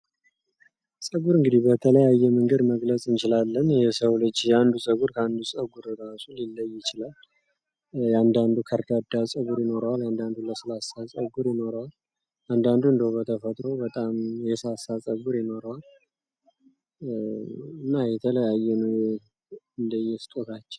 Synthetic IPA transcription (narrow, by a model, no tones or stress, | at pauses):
sʼəɡuɾɨŋɡɨd̪ibət̪ʰələjajːɛməŋɡəd̪məɡləsʼɨnt͡ʃɪlalːənjɛsəwlɨd͡ʒjɛand̪usʼəɡuɾkʰəand̪usʼəɡuɾəd̪asʼulilːəjːɪt͡ʃɪlal | jand̪and̪ukʰəɾd̪ad̪asʼəɡuɾjɪno̞ɾəwaland̪and̪uləsɨlasasʼəɡuɾjɪno̞ɾəwal | ʔand̪and̪uɨnd̪əwbət̪ʰəfət̪ʼɾo̞bət̪ʼamjɛsasːasʼəɡuɾjɪno̞ɾəwal | ɨnːajɛt̪ʰələjajːɛnə | ɨnd̪əjːɛst̪ʼot̪ʰat͡ʃːɛw